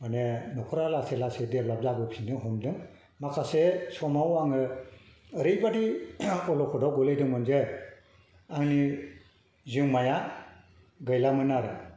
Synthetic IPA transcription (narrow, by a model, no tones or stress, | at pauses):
manenɔkʰɔɾalaselasedeplab̚zabɯpʰindɯŋɦɔmdɯŋ | makʰasesɔmawaŋɯ | ɾɯjbadiɔlɔkʰɔdɔɡɔlɯjdɯŋmɯnze | aŋni | zɯŋmaja | ɡɯjlamɯnaɾɯ